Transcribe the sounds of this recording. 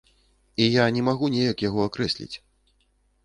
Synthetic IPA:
ijanʲɛmaɣunʲejɐkjaɣɔakɾɛsʲlʲḭt͡sʲ

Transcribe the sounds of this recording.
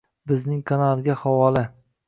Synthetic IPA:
bɪznɪŋkʰanalˠɡʲahɒwɒlɪ

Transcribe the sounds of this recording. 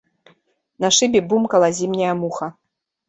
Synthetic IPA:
nɐʂɨbʲibumkɐlˠazʲimnʲɐjɐmuxɐ

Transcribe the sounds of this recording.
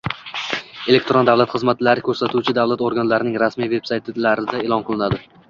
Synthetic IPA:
e̞lek̚ʲt̪ɾond̪avlat̪χɨzmat̪laɾɪkʲʰɵɾsat̪ʰuwt͡ʃʰɪd̪avlat̪oɾɡanlaɾɪnɪŋɾasmijve̞psajt̪ʰlaɾɪd̪aeːlˠɒnqʰɨlˠɪnad̪ɪ

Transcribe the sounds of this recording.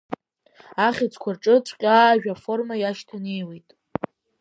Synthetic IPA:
aχʲɪt͡sʰʼkʷʰarʈ͡ʂʼɨt͡sʷʰʼqʲʼaːʒᶣafo̞rmajaʃtʰane̞jwe̞jtʼ

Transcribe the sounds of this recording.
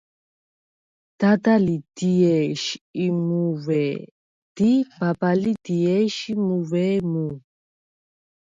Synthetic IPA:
d̪̥ad̪alid̪̥iɛʃiimuvɛ | d̪̥ibabalidiɛʃimuvɛmu

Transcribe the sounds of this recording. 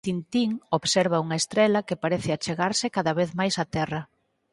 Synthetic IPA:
t̪int̪iŋoβsɛɾβɐuŋɐest̪ɾɛlɐkɪpaɾɛθɪat͡ʃeɣaɾsɪkaðɐβeθmajsat̪ɛrɐ

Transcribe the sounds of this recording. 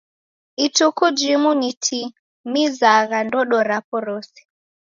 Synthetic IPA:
itukud͡ʒimunitʰi | mizaɣandɔɗɔɾapɔɾɔsi̥

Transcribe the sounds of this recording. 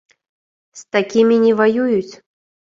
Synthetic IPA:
st̪akʲimʲinʲɛvajujut͡sʲ

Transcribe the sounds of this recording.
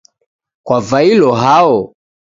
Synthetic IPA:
kwavailɔɦaɔ

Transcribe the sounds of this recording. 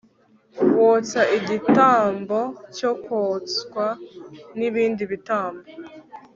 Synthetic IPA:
wot͡saiɟitaːmbo̞cokoːt͡skwaniβiːndiβitaːmbo

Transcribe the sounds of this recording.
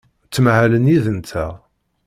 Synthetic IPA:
t͡sːmʕæləniðənt̪ʰæ

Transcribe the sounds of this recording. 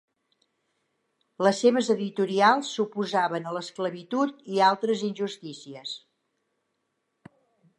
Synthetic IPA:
ləsːeβ̞əzəðit̪uɾialˠsːupuzaβənələskləβit̪ut̪ialˠt̪ɾəzinʲʒust̪isiəs

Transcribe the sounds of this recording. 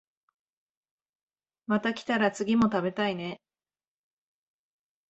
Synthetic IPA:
mat̪akʲi̥t̪aɾat͡sɨɡʲimo̞t̪abe̞t̪aine̞

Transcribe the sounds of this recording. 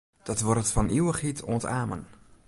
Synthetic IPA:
d̥ɔtʋɔrətfɔnʔiwəχitʰoəntaːmə̰n

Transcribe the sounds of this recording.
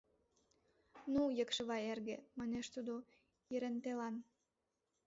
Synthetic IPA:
nujəkʃə̆βɑerɣemɑneʃt̪ud̪o | iɾent̪elɑn

